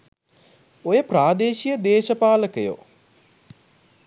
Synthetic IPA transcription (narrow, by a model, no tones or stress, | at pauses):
ojəpraːd̪eːʃijəd̪eːʃəpaːləkəjo̰